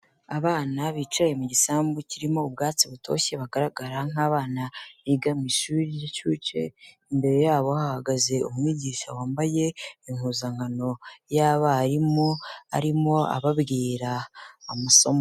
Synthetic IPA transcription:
aβaːnaβiːt͡ʃaje̞muɟisaːmbuciɾimo̞ubɡaːt͡siβutʰo̞̰çe̞βaɡaɾaɡaɾaŋ̥aːβaːnaβiɡamiʃuɾijacuːt͡ʃḛ | imbe̞ɾe̞jaːβo̞hahaɡaze̞umwiːɟiːʃa̰waːmbaje̞iŋhuːzaŋɡano̞jaːβaːɾimoa̰ɾimo̞a̰βabɡiːɾaumuso̞mo

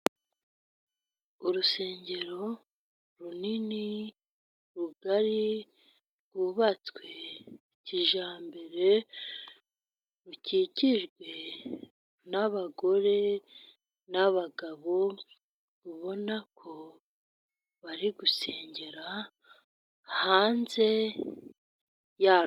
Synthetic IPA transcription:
uɾuse̞ːɲɟe̞ɾo̞ | ɾunini | ɾuɡaɾi | ɡ̥uβat͡skwe̞ | ciʒaːmbe̞ɾe̞ | ɾuciːciʒɡwe̞ | naβaɡo̞ɾe̞ | naβaɡaβo̞ | βuβo̞nakʰo̞ | βaɾiɡuse̞ːɲɟe̞ɾa | haːnze̞ | jaː

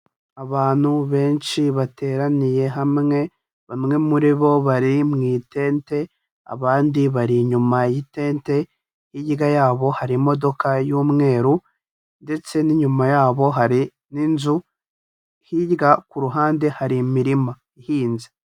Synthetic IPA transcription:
aβaːn̥huβe̞ːnʃiβateːɾanije̞ɦamŋe̞ | βamŋe̞muɾiβo̞βaɾimŋiːte̞ːnte̞ | a̰βaːndiβaɾiɲumajite̞ːnte̞ | hiɟɡajaːβo̞haɾimo̞do̞kajuːmŋe̞ːɾu | nde̞t͡se̞niɲumajaːβo̞ɦaɾi | ninzu | hiɟɡakuɾuɦaːnde̞haɾimiɾima | ihiːnze

